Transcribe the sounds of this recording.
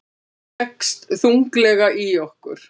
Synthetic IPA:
ɛkst̪θuŋklɛɣaʔiɔhkʏ̰ɾ̥

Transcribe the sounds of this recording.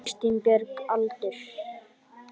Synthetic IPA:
st̪impɛɾkalt̪ʏɾ̥

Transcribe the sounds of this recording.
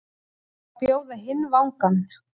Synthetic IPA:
pjoːwðaɦɪnːvawŋkan

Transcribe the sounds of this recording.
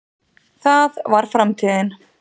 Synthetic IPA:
θaðvaɾ̥fɾamt̪ʰiːðɪn

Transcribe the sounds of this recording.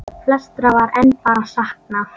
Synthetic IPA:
pʰlɛst̪ɾavaɾɛnːpaːɾasahkna

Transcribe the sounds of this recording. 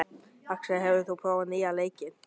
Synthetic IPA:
aksɛɦɛvʏɪθuwpʰɾoːwvanialeːjcɪn

